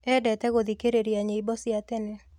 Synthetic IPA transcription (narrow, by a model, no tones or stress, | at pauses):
ɛdɛtɛɣod̪ikeɾeɾiaɲeibɔsɪat̪ɛnɛ